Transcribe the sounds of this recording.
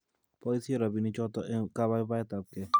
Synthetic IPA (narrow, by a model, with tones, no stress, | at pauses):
pɔ˦i˦si˦e˦ɾɔ˨bi˨ni˦t͡ʃɔ˦t̪ɔ˦ʔe˦ka˦βa˦i˦ba˦ɛ˦t̪a˨p̚kɛ˦